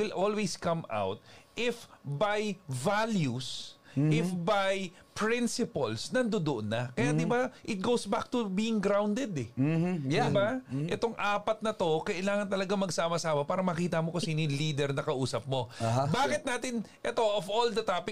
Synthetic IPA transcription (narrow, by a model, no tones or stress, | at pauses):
wɪlʔolweskɐma̰wt̪̚ʔɪfbajvaljusʔɪfbaj | pɹɪnsɪpɐlsnɐnd̪od̪oʔonːɐkɐjad̪ɪbaʔɪt̪̚ɡowsbak̚t̪ʊbiːɪŋɡɾawnd̪ɛd̪ɛjd̪ɪbaʔɛt̪oŋʔaːpɐt̪̚nɐt̪o̞kɐʔɪlaːŋɐnt̪ɐlɐɡaŋmɐɡsaːmɐsaːmɐpaːɾɐmɐkiːt̪ɐmokɐsiniliːd̪ɛɾnɐkɐʔuːsɐp̚mo̞baːkɪt̪̚naːt̪ɪn | ʔɛt̪o̞ʔovold̪ɐt̪apɪ